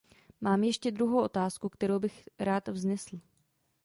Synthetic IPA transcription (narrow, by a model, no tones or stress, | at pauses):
maːmjɛʃcɛd̪ɾuɦowʔo̞t̪aːskukt̪ɛɾowbɪxɾaːt̪vznɛsl̩